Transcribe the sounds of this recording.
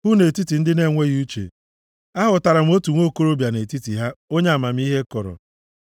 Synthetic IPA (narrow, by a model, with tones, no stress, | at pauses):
hʊ˦ne˨ti˦ti˨n̩˦dɪ˦ne˦˨ŋʷe˦ɣi˦u˦t͡ʃḛ˨ | a˦ɦʊ˨ta˨ɾa˨m̩˦o˦tu˨ŋʷo˦˨ko˦ɾo˦bja˨ne˨ti˦ti˨ɦa˦o˦ɲ˦a˨ma˨m̩˦i˦ɦe˦kɔ˨ɾɔ̰˨